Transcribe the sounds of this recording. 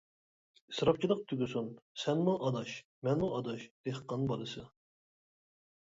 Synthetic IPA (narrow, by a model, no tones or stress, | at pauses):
isɾɑp̚t͡ʃʰilˠəq̚t̪ʰyɡʲysunsɛnmuʔɑd̪ɑʃ | mɛnmuɑd̪ɑʃd̪̥eəqʰːɑnbɑlˠɨsɨ